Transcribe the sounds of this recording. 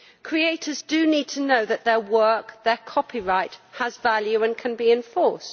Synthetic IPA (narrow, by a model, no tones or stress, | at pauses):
kʰɹ̥ieɪtʰəzdəniːd̚tʰənəʊðəʔðəwɜˑkðəkʰɒpʰiɹaɪthəzvaljʉə̃nkʰə̃nbiɪ̃ɱfɔˑst